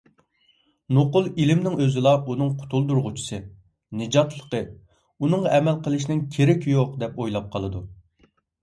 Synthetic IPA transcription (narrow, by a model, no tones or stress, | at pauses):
noqʊlˠilɪmnɪŋøzɪlˠɑunɨŋqʰʊ̥t̪ʰulˠd̪uɾʁʊt͡ʃʰi̥sɨ | nɨd͡ʒɑt̪lˠəqə | unɨŋʁɑɛmɛlqəlˠɨʃ̬nɪŋkʲʰeɾɪkʲjoqd̪ɛpojlˠɑp̚qʰɑlˠɨd̪u